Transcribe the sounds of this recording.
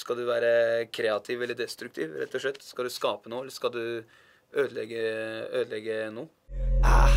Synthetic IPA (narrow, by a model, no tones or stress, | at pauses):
skɑld̪ʉʋæːɾəkʰɾɛːɑt̪ʰɪːʋɛlːəɖɛst̪ɾʉk̚t̪ʰḭːʋɾɛ̰t̪ʰːɔʂɭɛt̪ːskɑld̪ʉskɑːpənuːɛlːəskɑld̪ʉ | øːd̪əlɛɡəøːd̪lɛɡːənuː